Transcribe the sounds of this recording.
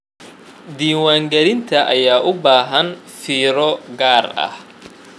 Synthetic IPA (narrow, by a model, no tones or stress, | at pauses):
d̪iːwaːŋɡɐlɪnt̪ʰɐʔɐjaːʔʊbaːɦɐnfiːɾɔɡaːrɐ̰h